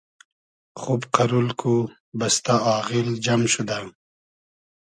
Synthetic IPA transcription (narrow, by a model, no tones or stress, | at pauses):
χubqaɾulkʰu | bɐst̪aɑːɣild͡ʒamɕud̪ã